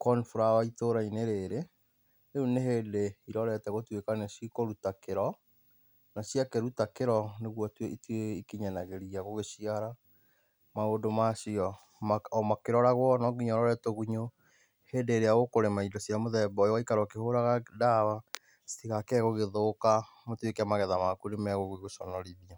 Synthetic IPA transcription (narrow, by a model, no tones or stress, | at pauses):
kɔnfuɾawaitoɾaineɾeɾe | euneɦeːdeiɾɔɾɛtɛɣotwekanaʃikoɾutakeɾɔ | naɕiakeɾutakeɾɔneɣwɔtweitweikiɲanaɣeɾiaɣoɣeʃiaɾa | maodomaʃiɔ | mamakeɾɔɾaɣwɔnɔɡiɲɔɾɔɾɛtoɣuɲo | heːndeːɾeaɣokoɾemaidɔsiamoðɛbɔjɔaikaɾɔkehoɾaɣadawa | stiɣakɛɣoɣeðoka | motwekɛamaɣɛðamakuɾemɛɣoɣiɣoʃɔnɔɾiðia